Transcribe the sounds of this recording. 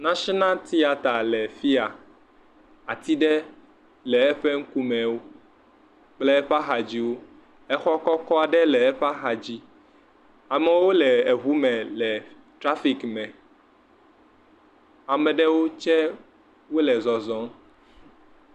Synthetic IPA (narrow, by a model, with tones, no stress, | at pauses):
nã˦ʃi˦nã˦t̪i˦a˨t̪a˨lɛ˨fi˦a˨ | a̰˨t̪i˦ɖɛ˦ | lɛ˨ɛ˦ɸɛ˦ŋ̩˦ku˦mɛ̃˨wo˦ | k͡plɛ˦ɛ˦ɸa˦xa˨d͡ʑi˦wo˦ | ɛ˦xɔ˦kɔ˦kɔ˦a˨ɖɛ˦lɛ˨ɛ˦ɸa˦xa˨d͡ʑi˦ | a˨mɛ˨wo˦lɛ˨e˨ɦu˦mɛ̃˨lɛ˨ | t̪ɾa˦fi˨kmɛ̃˨ | a˨mɛ̃˨ɖɛ˦wo˦t͡ʃɛ˦ | wo˦lɛ˨zɔ˨zɔ̃˦